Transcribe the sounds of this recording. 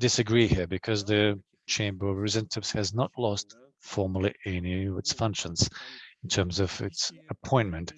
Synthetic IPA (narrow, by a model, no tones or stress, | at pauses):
dɨsɨɡɹihiɹbɨkʰʌzðɨ | t͡ʃʰẽɪ̃mbə˞vɹɨzɛ̃ntʰɨbshɨznətˡlɔst | fɔɹmə˞l̩ˠiʔɛniʌvɨtsfʌ̃ŋkʃə̃nz̥̃n̩tʰɜ̃˞mzʌvɪ̰tsəpʰɔ̃ɪ̃nmɨ̃nt